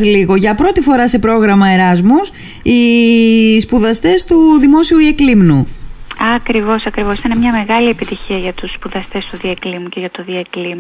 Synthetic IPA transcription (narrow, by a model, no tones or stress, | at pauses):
liɣo̞ʝɐpɾo̞t̪ifo̞ɾɐse̞pɾo̞ɣɾɐmɐe̞ɾɐzmus | i | spuðɐst̪e̞st̪uðimo̞siuieklimnuɐkɾivo̞sɐkɾivo̞sit̪ɐnɐmɲɐme̞ɣɐliepit̪içiɐʝɐt̪usːpuðɐst̪e̞st̪uðieklimuceʝɐt̪oðiɐeklim